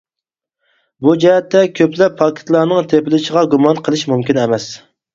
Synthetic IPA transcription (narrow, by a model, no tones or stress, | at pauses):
bud͡ʒɛɦɛt̪ːɛkʲʰøplɛpʰːɑkʲʰɪ̥t̪lˠɑːnɨŋt̪ʰepɪlɪʃəʁɑɡumɑnqʰəlˠɨʃmumkʲinɛmɛs